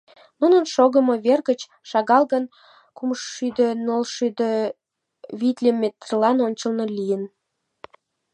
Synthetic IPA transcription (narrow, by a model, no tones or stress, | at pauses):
nunənʃoɣəmoβerɣət͡ɕ | ʃɑɣɑlɣən | kumʃyd̪ənolʃyd̪ə | βit̪ʲlʲemʲet̪rlɑnonʲt͡ɕəlnolʲijən